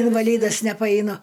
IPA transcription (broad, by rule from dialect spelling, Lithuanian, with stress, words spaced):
ɪnʋɐˈlʲiːdɐs nʲɛpɐɛɪˈnʊ